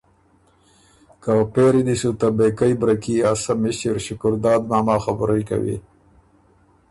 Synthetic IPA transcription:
kapeɾid̪isut̪abekajbɾakiasamɪɕiɾʃʊkʊɾd̪ɑːd̪maːmɑːxabɾajka̰wḭ

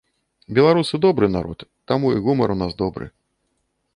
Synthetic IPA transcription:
bʲɛlˠaɾusɨd̪ɔbɾɨnaɾɔ̰t̪ːamuiɣumɐɾunazd̪ɔbɾɨ̰

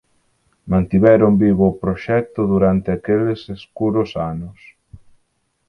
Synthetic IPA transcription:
mãnt̪iβɛɾʊmbiβoːpɾoʃɛk̚t̪ʊðuɾant̪ɪakeleseskuɾʊsanʊs

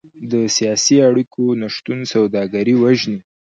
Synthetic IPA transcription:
d̪əsijɑsiaɽikʰonaʃt̪unsawd̪ɑɡaɾiwaʒni

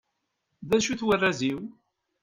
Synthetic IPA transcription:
ðæʃuθwərːæziw

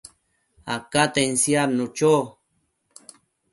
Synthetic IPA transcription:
a̰kat̪ensjaɾnut͡ʃo

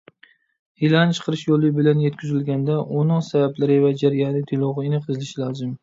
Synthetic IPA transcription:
hilant͡ʃʰɨ̥qʰɨɾɪʃjolˠːɪbɪlanjet̪̚kʲʰʊzɪlɡʲand̪aʔʊnɪŋsabablaɾɪvad͡ʒaɾijaɪt̪ʰɪlˠɒʁɨɪnɪqʰɨzɪlɪʃɪlɒzɪm

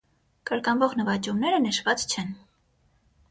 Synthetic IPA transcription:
kəɾkɑnvɔʁnəvɑt͡ʃumnɛɾənəʃvɑt͡st͡ʃʰɛn

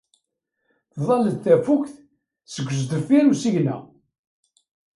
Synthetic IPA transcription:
θðˤɑləd̪θæfukθ | səɡʷːəs̬d̪əfiɾusiʝnæ̰

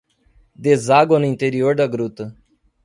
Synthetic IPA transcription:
d̪ezaɡwɐnʊĩnt̪eɾioɾd̪ɐɡɾut̪ɐ

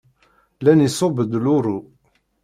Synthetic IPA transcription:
lænisˤobəd̪luɾu

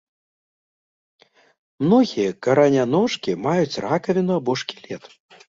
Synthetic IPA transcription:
mn̪ɔɣʲijɐkɐɾɐnʲanɔʂkʲimajut͡sʲrakɐvʲɛnuabɔʂkʲilʲɛt̪

